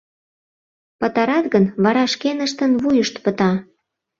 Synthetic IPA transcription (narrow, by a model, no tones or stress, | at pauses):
pət̪ɑɾɑt̪ɣənβɑɾɑʃkenəʃt̪ənβujəʃt̪pət̪ɑ